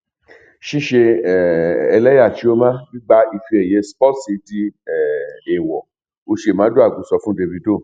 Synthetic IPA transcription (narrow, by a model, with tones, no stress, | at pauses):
ʃi˦ʃe˧˨ | ɛ˧lɛ˦ja˦˨ti˨˦o˦mã˦bi˦ɡ͡ba˦i˧˨fi˧ɛ˨je˧˦spɔ˦tsi˧˦ti˧ɛ˦˨ɛ˨wɔ˨ | o˧ʃe˨mã˨˦do˦a˦˨ɡũ˨˦sɔ˧fũ˦de˧vi˧do˦˨